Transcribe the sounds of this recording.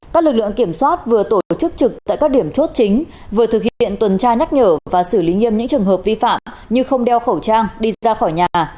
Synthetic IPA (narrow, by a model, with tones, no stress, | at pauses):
kaː˦˥k̚lɨ˨˩k̚lɨ̰˧˨əŋki˧˩əmswaː˦˥t̚vɨ˨˩ət̪o˧˩˧t͡ɕɨ˦˥k̚t͡ɕɨ˨˩k̚t̪a̰ː˧˨jkaː˦˥k̚ɗi˧˩əmt͡ɕo˦˥t̚t͡ɕï˨˦ŋ̟vɨ˨˩ət̪ʰɨ˨˩k̚hḭ˧ḭ˧˨ənt̪wə˨˩nt͡ɕaː˧ɲa˦˥t̚ɲəː˧˩vaː˨˩sɨ˧˩li˨˦ŋi˧əmɲɨ̰˧˥ŋt͡ɕɨ˨˩əŋɦəː˨˩p̚vi˧fa̰ː˧˨mɲɨ˧xə˧wŋ͡mɗɛ˧wxə˧˩wt͡ɕaː˧ŋɗi˧aː˧xɔ˧˩jɲaː˨˩